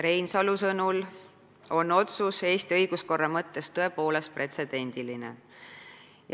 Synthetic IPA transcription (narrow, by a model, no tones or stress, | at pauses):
ɾe̞jnsɑlusɤnul | o̞no̞t̪suse̞ːst̪iɤjɡ̥usko̞rːɑmɤt̪ːe̞st̪ɤ̞e̞po̞ːle̞spre̞t̪se̞d̪̥e̞nʲd̪̥iline̞̰ | j